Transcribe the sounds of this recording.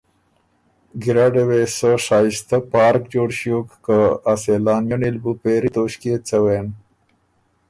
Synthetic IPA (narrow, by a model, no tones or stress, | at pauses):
ɡiɾaɖewesəʂaːist̪əpɑːɾkd͡ʑoːɽɕiokːəaselaːnjonilbupeɾit̪oːɕket͡səwen